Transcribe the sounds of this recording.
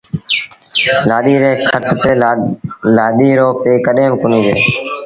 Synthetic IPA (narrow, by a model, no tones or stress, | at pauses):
laːɗiːɾeːkʰət̪ʰt̪eː | laːɗiːɾoːpeːkəɗeːmkʊniːzeː